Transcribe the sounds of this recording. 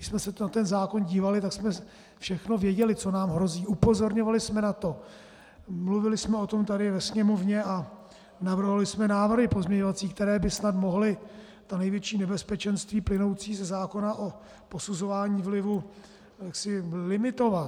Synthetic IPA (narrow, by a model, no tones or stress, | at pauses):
ɡɪʃsmɛsɛnat̪ɛnzaːko̞nɟiːvalɪt̪aksmɛ | fʃɛxno̞vjɛɟɛlɪt͡so̞naːmɦɾo̞ziːʔupo̞zo̞ɾɲo̞valɪsmɛnat̪o̞ | mluvɪlɪsmɛo̞t̪o̞mt̪adɪvɛsɲɛmo̞vɲɛʔa | navr̩ɦolɪsmɛnaːvr̩ɦɪpo̞zmɲɛɲovat͡siːk̚t̪ɛɾɛːbɪsnat̪mo̞ɦlɪ | t̪anɛjvjɛt͡ʃiːnɛbɛspɛt͡ʃɛnst̪viːplɪno̞wt͡siːzɛzaːko̞naʔo̞ | po̞suzo̞vaːɲiːvlɪvu | jaksɪlɪmɪt̪o̞vat̪